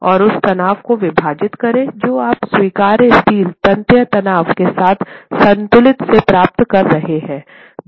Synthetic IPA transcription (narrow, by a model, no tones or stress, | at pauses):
ɔːɾʊst̪ɐnaːʋkoʋɪbʱaːd͡ʒɪt̪kɐɾẽd͡ʒoːaːpswiːkaːɾɪstiːlt̪ɐ̃nt̪jət̪ɐnaːʋkesaːt̪ʰsɐ̃nt̪ʊlɪt̪sepɾaːp̚t̪kɐɾːɐɦeɦɛ̃ː